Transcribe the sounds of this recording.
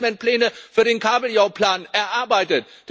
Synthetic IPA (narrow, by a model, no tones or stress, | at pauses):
mɛnt̚plɛːnəfyːɐɾeːnkʰaːbl̩jaʊpʰl̥aːnʔɛɐʔaɐbaɪtət̚ | d̥